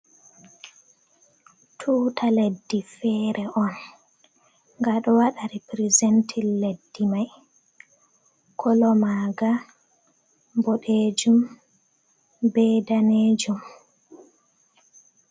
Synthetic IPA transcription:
tʰuːtʰaledːifɛːɾʔɛʔɔn | ŋɡaɗɔwaɗaɾipɾizentʰilːedːimaj | kʰɔlɔmaːɡa | bɔɗed͡ʒum | bɛdaneːd͡ʒum

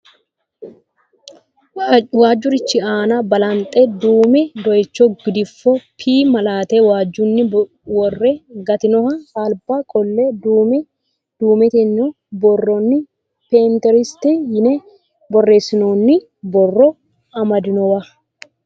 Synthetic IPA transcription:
waːd͡ʒːʊɾɪt͡ʃːɪaːnɐbɐlɐnt̪ʼɛd̪uːmɛd̪ɔjɛt͡ʃːɔɡɪd̪ɪfːɔpʰiːmɐlaːt̪ɛwaːd͡ʒːʊnːɪ | wɔrːɛɡɐt̪ɪnɔhɐaːlbakʼɔlːɛd̪uːmɛ | d̪̥uːmɛt̪ɛnːɔ | bɔrɔnːɪ | peːnt̪ɛɾɪst̪ɛjɪnɛ | bɔrːe̞ːsːɪnoːnːɪ | bɔrːɔ | ɐmɐd̪ɪnɔwɐ

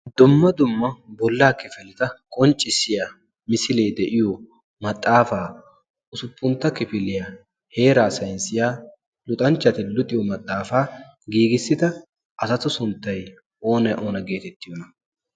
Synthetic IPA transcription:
d̪ʊmːɐd̪ʊmːɐbɔlːaːkɪfɪlɪt̪ɐkʼɔnt͡ʃʼːɪsɪja | mɪsɪleːd̪ɛʔɪjɔ | mɐt̪ʼːaːfaː | ʊsʊpːʊnt̪ːɐkɪfɪlɪjɐ | he̞ːɾaːsɐjnsɪjaː | lʊt̪ʼɐnt͡ʃːɐt̪ɪlʊt̪ʼːɪjɔmɐt̪ʼːaːfaː | ɡiːɡɪsːɪt̪ɐ | ʔɐsɐt̪ʊsʊnt̪ːɐj | ʔo̞ːnɛʔoːnɐɡe̞ːt̪ɛt̪ːɪjɔnɐ

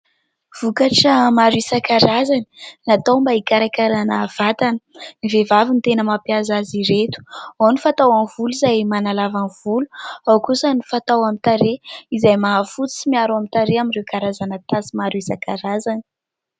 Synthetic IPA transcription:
v̥ukaʈ͡ʂəmaɾuisakaɾazani̥nat̪awmbaikaɾakaɾanav̥at̪anənivevavint̪enəmapjazaziɾet̪u̥anifat̪awanvulizajmanalavanv̥uluawkusənifat̪awamint̪aɾeizajmaɦafut͡si̥t͡simiaɾamit̪aɾeaminrewkaɾazanət̪asimaɾuisakaɾazani̥

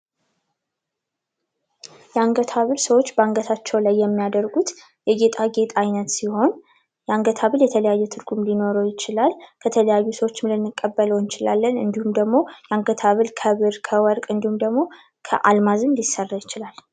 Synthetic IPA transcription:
jɛaŋɡət̪ʰaβɨlsəwo̞t͡ʃːbəaŋɡət̪ʰat͡ʃːɛwlajːɛmːijad̪əɾɡut̪ | jɛɡe̞t̪ʼaɡe̞t̪ʼajnət̪siho̞n | jɛaŋɡət̪ʰaβɨljɛt̪ʰələjajːɛt̪ʰɨɾɡumlino̞ɾəwjɪt͡ʃɪlalkʰət̪ʰələjajːusəwo̞t͡ʃːmlɨnːɨkʼːəbːələwɨnt͡ʃɪla̰lːənɨ̰nd̪ihumd̪əɡmo̞jɛaŋɡət̪ʰaβɨlkʰəβɨɾkʰəwɔɾkʼɨnd̪ihumd̪əɡmo̞ | kʰə̰ʔalmazɨnd̪ɪsərːajɪt͡ʃɪlal

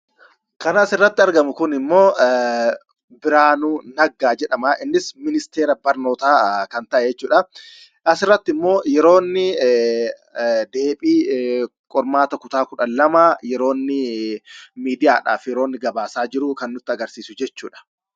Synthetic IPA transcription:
kɐnaːsɪrːɐt̪ːɪɐɾɡɐmʊkʊnɪmːo̞ː | bɪɾaːnuːnɐɡːaːd͡ʒɛᶑɐmaːʔɪnːɪsmɪnɪst̪e̞ːɾɐbɐɾno̞ːt̪aːkɐnt̪ɐʔɛd͡ʒɛt͡ʃːuːᶑɐ | ʔɐsɪrːɐt̪ːɪmːo̞ːjɛɾo̞ːnːɪ | d̪e̞ːpʼiː | kʼɔɾmaːt̪ɐkʊt̪aːkʊᶑɐlɐmajɛɾo̞ːnːɪ | miːd̪ɪjaːᶑa̰ːfjɛɾoːnːɪɡɐbaːsaːd͡ʒɪɾʊkɐnːʊt̪ːɪɐɡɐɾsiːsʊd͡ʒɛt͡ʃːuːᶑɐ̥

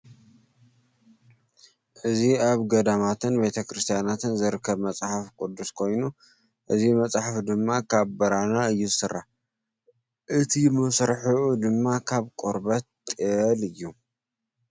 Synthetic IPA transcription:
ʔɨziaβɡɐd̪amat̪ʰɨnbe̞t̪ʰɐkʰɾɨst̪ʰijanat̪ʰɨnzɨɾɨkʰːɐβmɐt͡sʼħafkʼud̪ːuskʰo̞jnu | ʔɨzimɐt͡sʼħafd̪ɨmːakʰaβbɐɾanaɨjːuzɨsɨrːa | ʔɨt̪ʰimɐsɾħuʔud̪ɨmːakʰaβkʼuɾbɐt̪t̪ʼɨlɨjːu

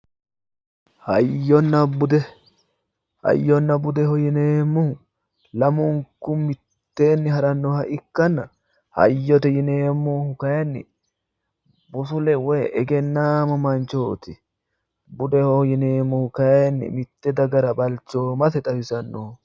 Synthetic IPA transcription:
hɐjːɔnːɐbʊd̪ɛ | hɐ̰jːɔnːɐbʊd̪ɛhɔjɪneːmːʊhʊ | lɐmʊŋkʊmɪt̪ːeːnːɪɦɐɾɐnːɔhɐʔɪkːɐnːɐ | hɐ̰jːɔt̪ɛjɪneːmːohʊkɐjɐnːɪ̰ | bʊsʊlɛwɔjʔɛɡɛnːaːmɐmɐnt͡ʃoːt̪ɪ | bʊd̪ɛhɔjɪneːmːɔhʊkɐjnːɪ̰mɪt̪ːɛd̪ɐɡɐɾɐbɐlt͡ʃːoːmɐtɛt̪ʼɐbɪsɐnːo

